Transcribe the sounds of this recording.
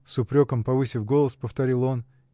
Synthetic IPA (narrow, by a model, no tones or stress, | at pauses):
sʊpɾʲo̞kəmpɐvɨsʲɪfɡo̞lˠəspəft̪ɐɾʲilˠo̞n